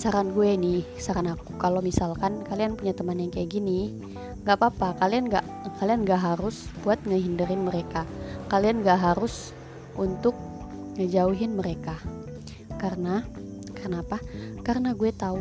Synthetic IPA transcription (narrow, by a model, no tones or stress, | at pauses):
saɾanɡuɛnihsaɾanakukalomisalkankalianpuɲat̪əmanjaŋkajaɡini | ŋɡaʔpapakalianɡa̰ʔ | kalianɡaʔɦaɾʊsbuat̪̚ŋəɦindəɾɪnməɾekakalianɡaʔɦaɾus | unt̪ʊk̚ | ŋəd͡ʒauɦɪnməɾeka | karəna | karnaːpakarənaɡuɛt̪au